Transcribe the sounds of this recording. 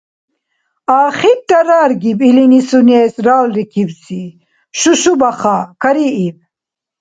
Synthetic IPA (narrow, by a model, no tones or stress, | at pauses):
aːχib̚t̪ɐɾaːɾɡibilinisunesɾaːwlɾikibsi | ʃuʃubɐχakɐɾiib̚